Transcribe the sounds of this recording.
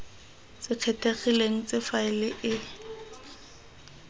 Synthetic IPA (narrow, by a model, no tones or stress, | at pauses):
t͡sɪq͡χʰɛtʰeχileŋ̩t͡sʼɪfaɪlɪʔɪ